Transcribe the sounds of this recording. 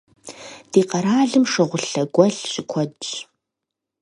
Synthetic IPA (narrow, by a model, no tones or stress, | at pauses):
d̥iːqɐɾaːɮɨmʂɐʁʷʊɬɐɡʷʼɔɬɕʼɪkʷʰɔdɕ